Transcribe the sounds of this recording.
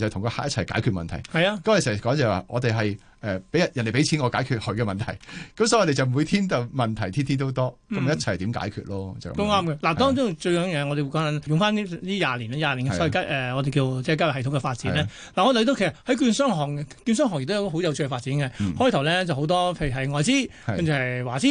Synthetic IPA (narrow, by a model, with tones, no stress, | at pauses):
t͡sɐ˨t̪ʰʊ˨˩ŋkɔ˧ha̰ː˨k̚jɐ˥t͡sʰɐ˨˩jka̰ː˨˥jkʰyː˧t̚mɐ̰˨nt̪ʰɐ˨˩jhɐ˨jaː˧kɐ˦˥mː˥˨skɔː˨˥ŋt͡sɛː˨wa̰ː˨˧ŋɔː˨˧t̪e˨jɦɐ˨j | ʔɛ˨pe˨˥jɐ˨njɐ˨˩nːle˨˩pe˨˥jt͡sʰiː˨˥nŋɔ˨˧kaː˨˥jkʰyː˧t̚hɵ˨˧kɛ˧mɐ˨nt̪ʰɐ˨˩jkɐ˨˦msɔ˧˥jɔ˧e˨t͡sɐ˨wm˨u˨˧jt̪ʰiː˥nt̪ɐ˨˧wmɐ˨nt̪ʰɐ˨˩jt̪ʰiː˥nt̪ʰiː˥nt̪o˥wt̪ɔː˥kɐ˨˦m˨jɐ˥t̚t͡sʰt̪iː˨˥mka̰ː˨˥jkʰy̰ː˧t̚lɔː˥t͡sɐ̰˨ko˥ŋaː˥mkɛː˧laː˨˩t̪ɔː˥ŋt͡sʊ˥t͡ʃɵ˧ɥjœː˨˥ŋjɛː˧ŋɔː˨˧ɾe˨jwu˧kɔː˨˥ŋnɐ˨˥njʊ˨ŋfaː˥ni˥liː˥jaː˨˩liː˨˩na˥˩jaː˨liː˨˩nkɛ˧ska˥ʔɛː˨ŋɔː˨˧t̪e˨kiː˧wt͡sɛː˧˥kaː˥w̚hɐ˨˩t̪ʰʊ˧˥ŋkɛ˧faː˧t̚t͡siː˨˥nɛː˥ | laː˨˩ɔː˨˧˨i˧t̪o˧wkʰe˨˩sɐ˩thɐ˨˥jkyː˧nsœː˥ŋɦɔː˨˩ŋ˧kyː˧nsœː˥ŋɔː˨˩ŋɛ˨˩t̪jk̪ɔː˧o˨˥wjɐ˨˧wt͡ʃʰːɛ˧faː˧t̚t͡siː˨˥nkɛ˧hɔː˥jt̪ʰɐ˨˩wlɛː˥t͡sɐ˨who˨˧˥wt̪ɔː˥pʰe˧jɦɐ˨jŋɔː˨˧jt͡siː˥ | ɐ˦˥mʰy˨˧hɐ˨jwaː˨˩t͡siː˥